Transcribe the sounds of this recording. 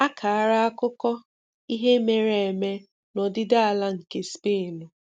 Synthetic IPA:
a˦kʰa˨a˦˨ɾa˦a˦kʊ˦kɔ˦ | i˦ɦe˦me˨ɾe˨e˨me˦ | nɔ˨dɪ˦da˦a˨la˦ŋ̩˨ke˨spe˦˨nu˨

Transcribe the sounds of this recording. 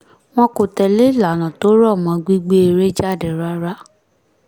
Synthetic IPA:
w̃ɔ̃˦ko˨tɛ˨le˦i˦˨la˨˦˨nã˨to˨˦ɾɔ˦˨mã˨˧ɡ͡bi˦ɡ͡be˦e˧ɾe˦d͡ʒa˦˨de˨ɾa˦ɾa˦

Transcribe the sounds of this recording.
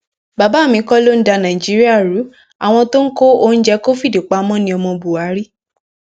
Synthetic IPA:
ba˨ba˨˦˨mĩ˧˦kɔ˦lo˦n̩˦da˧nã˨i˨d͡ʒi˨˦ɾi˦a˦˨ɾu˨˦ | a˨w̃ɔ̃˧to˦n̩˦ko˦o˦n̩˦d͡ʒɛ˦ko˦fi˦˨de˨k͡pa˨˦mɔ̃˦nĩ˧˦ɔ˧mɔ̃˧bu˨a˨˦ɾi˦

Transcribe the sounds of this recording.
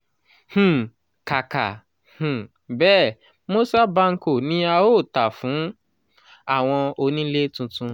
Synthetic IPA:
h̩˨ | ka˨ka˨ | h̩˨ | bɛː˦˨ | mo˦sa˦ba˧ŋ̩˦ko˨nĩ˦a˧o˦˨ta˨fũ˨˦ | a˦˨w̃ɔ̃˧o˧nĩ˦le˦tũ˧tũ˧

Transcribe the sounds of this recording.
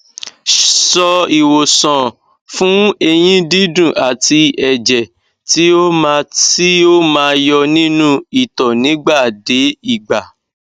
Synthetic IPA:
sɔ˧i˨wo˨sɔ̃˨ | fũ˦e˧j̃ĩ˦di˦dũ˦˨ʔa˨ti˧ɛ˨d͡ʒɛ˨ | ti˦o˦mã˧si˦o˦mãː˨˦jɔ˧nĩ˦nũ˦i˨tɔ˨nĩ˨˦ɡ͡ba˦˨de˨˦i˦˨ɡ͡ba˨

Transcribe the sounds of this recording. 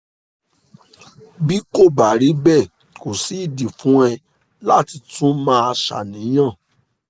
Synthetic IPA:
bi˦ko˦˨ba˨ɾi˨˦bɛ˦˨ | ko˨si˨˦i˦˨di˨fũ˨˦ɛ˧ | la˦ti˧tũ˦mãː˦a˧ʃa̰˨nĩ˨˦j̃ã˦˨

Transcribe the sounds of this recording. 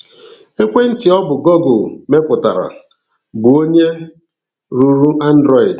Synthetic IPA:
e˦kʷe˦n̩˦tɪ˨ɔ˦bʊ˨ɡo˦ɡo˨me˦pʊ˨ta̰˨ɾa̰˨ | bʊ˨o˦ɲe˦ | ɾu˨ɾu˦ʔa˦n̩˦dɾɔ˦i˨d

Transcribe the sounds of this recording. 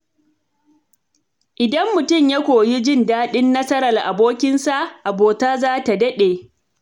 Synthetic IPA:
ʔɪ˨dɐ˦mːʊ˨tʊ˦˨mja˦kʷoː˨ji˦d͡ʒɪ˦˨ndaː˦ɗɪ˦nːɐ˦sɐ˦ɾɐ˨rʔa̰˨boː˦kʲɪ˦nsa˦ʔʔa˨boː˨taː˦zaː˦ta˨dɐ˦ɗeː˨

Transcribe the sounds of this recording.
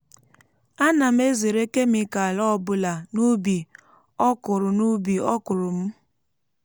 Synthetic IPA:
a˦na˨m̩˦e˦ze˨ɾe˦ke˦mi˦ka˨a˨lɔ˦ɔ˦˨bʊ˨la˨nu˦bi˨ | ɔ˦kʊ˨ɾʊ˨nu˦bi˨ɔ˦kʊ˨ɾʊ˨m̩˦

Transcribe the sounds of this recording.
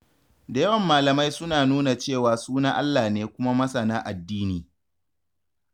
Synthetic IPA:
da˨jɐ˦wɐ˨mːaː˨lɐ˨ma˦jsʊ˦naː˨nuː˦na˨t͡ʃeː˦˨waː˨suː˦na˦ʔa˦lːaː˨neː˦kʷʊ˦ma˦mɐ˦sɐ˨naː˦ʔa˨dːiː˦niː˨

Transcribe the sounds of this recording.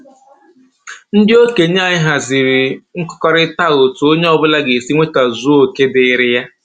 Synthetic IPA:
n̩˦dɪ˦o˦ke˨ɲ˦a˨ɲɪ˦ɦa˨zi˨ɾi˨ŋ̩˦kɔ̥˦kɔ˦ɾɪ˦ta˦˨ɣo˨tu˨o˦ɲe˦ɔ˦bʊ˦la˦ɡe˨si˦ŋʷe˦ta˨zu˦o˨ke˦dɪ˨ɪ˦ɾɪ˦ja˦

